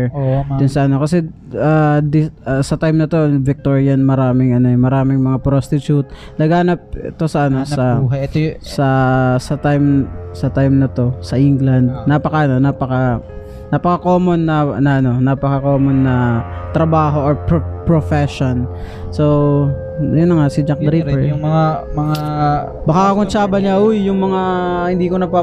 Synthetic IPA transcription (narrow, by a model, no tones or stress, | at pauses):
d̪ʊnsɐʔɐno̞kɐsɛad̪ɪsɐt̪ajmnɐt̪o̞vɪk̚t̪oɹɪjɐnmɐɾaːmɪŋɐno̞mɐɾaːmɪŋmɐŋapɾost̪ɪt͡ʃjut̪̚nɐɡaːnɐp̚ɛ̰t̪o̞sɐʔɐnoɐ | sɐsɐt̪ajmsɐt̪ajmnɐt̪o̞sɐʔɪŋɡlɐnd̪̚nɐpɐkɐʔɐno̞napɐka | nɐpɐkɐko̞ːmonːɐɐnɐʔɐno̞nɐpɐkɐko̞ːmonːɐt̪ɾɐbaːɦo̞ʔoɹpopɹofɛʃon | so | jʊnːɐŋasɪd͡ʒak̚d̪ɾiɛɹʊmɐŋamɐŋa | bɐkakɐkʊnt͡ʃaːbɐɲaʔʊjːʊŋmɐŋahɪnd̪iːkonɐɡ̚pa